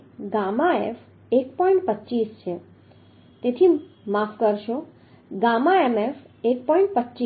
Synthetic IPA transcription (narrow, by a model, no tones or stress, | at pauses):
ɡamaepʰ | ekpɔĩɳʈ̚pətːt͡ʃist͡ʃʰe | t̪et̪ʰimapʰkəɾʃo | ɡamaemepʰ | ek̚pɔĩɳʈ̚pətːt͡ʃi